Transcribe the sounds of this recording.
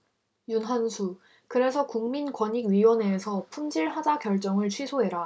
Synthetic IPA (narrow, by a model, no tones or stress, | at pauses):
junɦansʰu | kɯɾe̞sʰʌkuŋminkwʌɲiɡɥiwʌne̞sʰʌpʰumd͡ʑiɭɦad͡ʑakjʌɭt͡ɕ͈ʌŋɯɭt͡ɕʰwisʰoɦe̞ɾa